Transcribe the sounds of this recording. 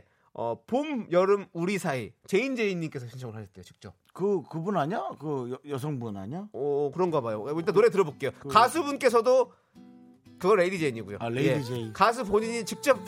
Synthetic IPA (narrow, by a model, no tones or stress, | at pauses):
ʌ̰pomjʌɾɯmuɾisʰait͡ɕe̞ind͡ʑe̞iɲːimk͈e̞sʰʌɕʰinsʰʌŋɯɭɦaɕʰʌt͈ejot͡ɕi̥k̚t͡ɕ͈ʌp̚kɯkɯbunaɲakɯjjʌs̬ʰʌŋbuna̰ɲaʌkɯɾʌnɡʌabajoit͈anoɾet̬ɯɾʌbok͈e̞jokasʰubunk͈e̞sʰʌdo | kɯɡʌɭːe̞did͡ʑeiɲiɡujo̰leje̞iekas̬ʰuboɲiɲit͡ɕik̚t͡ɕ͈ʌp̚